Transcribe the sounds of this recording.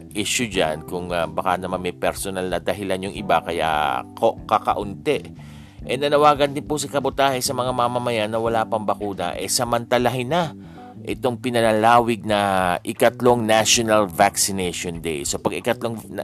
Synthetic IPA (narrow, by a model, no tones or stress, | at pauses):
ʔɪʃʊd͡ʒa̰nkʊŋabɐkanɐmanmɛjpɛɾsonalnɐd̪ɐɦɪlanjʊŋɪbakɐja̰kokɐkɐ̰ʔʊnt̪ɛʔ | ʔɛnɐnɐwaːɡɐnd̪ɪnpʊs̬ɐkɐbʊt̪aːhɛsɐmɐŋamamɐmɐjanːɐwɐlapɐŋbɐkuːnɐ̰ʔɛsɐmɐnt̪ɐlɐɦɪna | ʔɪt̪o̞ŋpɪnɐlɐlaːwɪɡ̚nɐʔɪkɐt̪lo̞ŋnaʃonɐlvaksɪnɛʃond̪ɛ̰jsopɐɡɪkɐt̪lo̞ŋ